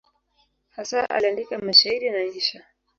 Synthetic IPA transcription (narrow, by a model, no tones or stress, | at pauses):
hasaa̰liandikamaʃaiɾinaiʃa